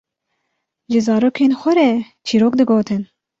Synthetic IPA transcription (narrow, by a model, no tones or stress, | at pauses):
ʒɨzɑːɾoːkʰeːnxʷɛɾɛ | t͡ʃʰiːɾoːk̚d̪ɨɡoːt̪ʰɨn